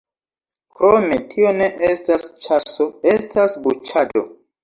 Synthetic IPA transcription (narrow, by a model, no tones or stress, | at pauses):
kɾometʰio̞ne̞ʔestast͡ʃasoestʰasbut͡ʃado̰